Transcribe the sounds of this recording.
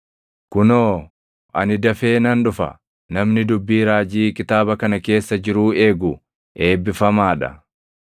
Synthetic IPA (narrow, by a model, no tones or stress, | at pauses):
kʊnoː | ʔɐ̰nɪd̪ɐfeːnɐnᶑʊfɐ̰ | nɐmnɪd̪ʊbːiːɾaːd͡ʒiːkʼɪt̪aːbɐkɐnɐke̞ːsːɐd͡ʒɪɾuːe̞ːɡʊ | e̞ːbːɪfɐmaːᶑɐ̰